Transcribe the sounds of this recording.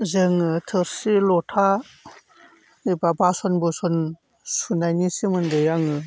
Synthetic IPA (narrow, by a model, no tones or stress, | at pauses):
zɯŋɯtʰɯɾsilɔtʰa | ɯbabasɔnbɯsɔn | sunajnisimɯndɯjaŋɯ